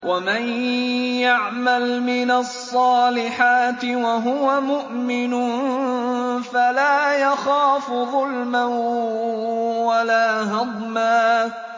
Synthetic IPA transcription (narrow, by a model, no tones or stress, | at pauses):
wʔamanjaʕmalmɪnasˤːɑːlɪħaːt̪ɪwaɦʊwamʊʔmɪnʊ | falaːjaxaːfʊðˤʊlman | walaːɦɑd̪ˤmaː